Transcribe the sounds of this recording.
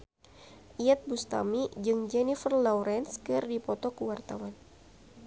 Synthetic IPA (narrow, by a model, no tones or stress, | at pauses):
ʔiat̪̚bust̪a̰mid͡ʒɨŋd͡ʒɛnifərlɔɾʔɛnskɨrdipɔt̪ɔkəwart̪awan